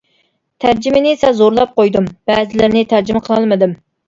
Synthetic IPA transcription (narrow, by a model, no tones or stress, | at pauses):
t̪ʰæɾd͡ʒimɪnɪsɛzoɾlˠɑp̚qojd̪umb̥ɛːzɪlɪɾnɪt̪ʰæɾd͡ʒɪməqʰəlˠɑlˠmɨd̪ɪm